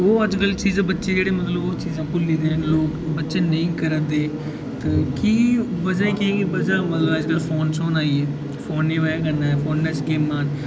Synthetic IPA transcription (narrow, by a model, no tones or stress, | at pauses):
oːəd͡ʒkəlt͡ʃiːzãːbətːʃeːd͡ʒeːɽeːmət̪ləboːt͡ʃiːzãːkʊliːd̪ẽːɦloːkbətːʃeːnəĩːkəɾənd̪eː | t̪aːkiːʋəd͡ʒãːĩːkiẽːɡibəd͡ʒãːmət̪ləbəd͡ʒkəlpʰoːnsoːnaːiːɛː | fʰoːnːeːʋaːkənːaːɛːfʰoːnːẽːsɡeːmːaːn